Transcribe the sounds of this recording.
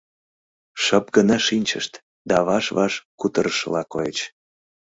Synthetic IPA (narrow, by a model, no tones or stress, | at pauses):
ʃəp̚ɡənɑʃinʲt͡ɕə̰ʃt̪ | d̪ɑβɑʃβɑʃkut̪əɾəʃəlɑkojet͡ɕ